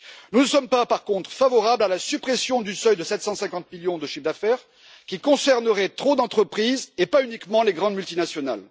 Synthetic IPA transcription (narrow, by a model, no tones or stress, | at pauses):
nunəsɔmpapaʁkɔ̃t̪χəfavɔʁablalasypχesjɔ̃d̪ysœjd̪əsɛt̪sɑ̃sɛ̃kɑ̃t̪miljɔ̃d̪əʃifd̪afɛʁ | kʲikɔ̃sɛʁnəʁɛt̪χod̪ɑ̃t̪χəpχizepaynikmɑ̃leɡʁɑ̃d̪mylt̪inasjɔnal